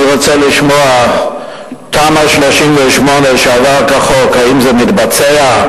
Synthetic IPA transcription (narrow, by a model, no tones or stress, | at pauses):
ʁot͡seliʃmoa | paːmaʃloʃimveʃmoneʃavaʁkaχokaimzemit̪bat͡sea